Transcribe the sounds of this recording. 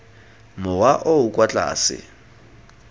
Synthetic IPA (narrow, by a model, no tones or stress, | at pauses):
mʊwaʔoukʼwat͡ɬʼa̰ːsɪ̰